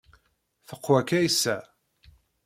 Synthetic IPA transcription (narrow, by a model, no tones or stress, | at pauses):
θəqːwækːæjisːæ